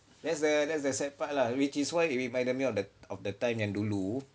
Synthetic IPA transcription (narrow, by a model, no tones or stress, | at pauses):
dɛtsdədɛtsdəsɛt̚pat̚lawit͡ʃiswaɪiɹimãj̃ndəmiɔfdəɔfdətãj̃mɛ̃ndulu